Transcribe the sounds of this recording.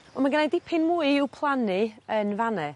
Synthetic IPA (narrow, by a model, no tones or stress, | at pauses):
ɔnmaɡənajdipʰɪnmujɪwpʰlˠanɨənvanɛ